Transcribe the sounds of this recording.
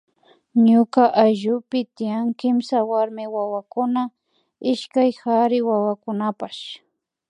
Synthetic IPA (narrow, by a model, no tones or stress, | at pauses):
ɲʊkaʔajʒʊpɪt̪ɪjaŋkɪmsawaɾmɪwawakʊna | ɪʃkajxaɾɪwawakʊnapaʃ